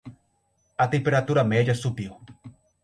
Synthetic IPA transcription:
at̪empeɾat̪uɾamed͡ʒasupiw

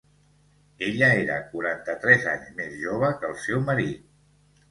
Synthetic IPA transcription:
eʎəeɾə̰kuɾant̪ət̪ɾɛzaɲzmezʒoβ̞əkəlˠsɛwməɾit̪̚

